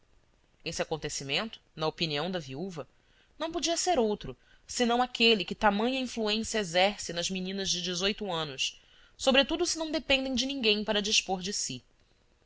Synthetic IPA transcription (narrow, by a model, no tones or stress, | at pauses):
esɪakõnt̪esimẽnt̪ʊ̥nɐopiniɐ̃w̃d̪ɐviuvɐ | nɐ̃w̃pod͡ʒiɐseɾowt̪ɾʊ | sɪnɐ̃w̃akʰelɪkɪt̪amɐ̃ɲɐĩfluẽsjɐezɛɾsɪnɐzminĩnɐzd͡ʒɪd͡ʒɪzojt̪ʊɐ̃nʊs | sobɾet̪ud̪ʊsɪnɐ̃w̃d̪epẽnd̪ẽj̃d͡ʒɪnĩɡẽj̃paɾɐd͡ʒiʃpoɾd͡ʒɪsi